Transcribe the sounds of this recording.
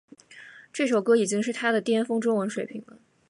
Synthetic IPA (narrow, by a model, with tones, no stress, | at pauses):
ʈ͡ʂɤ˥˩ʂo˨˩ʊkɤ˥i˨˩t͡ɕi˥ŋʂɻ̩˥˩t̪ʰa˥d̪ə˨t̪jɛ˥nfɤ˥ŋʈ͡ʂʊ˥ŋwə˧˥nʂwe˨˩ɪpʰi˧˥ŋlə˧